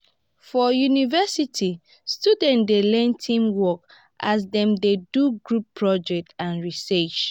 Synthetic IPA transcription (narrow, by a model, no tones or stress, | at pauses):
fɔjunivɛsitʰi | studɛ̃ndelɛ̃ntʰĩmwɔk | ʔas̬dɛ̃mdeduɡɹupʰːɹɔd͡ʒɛk̚tʰãnɹisɛt͡ʃ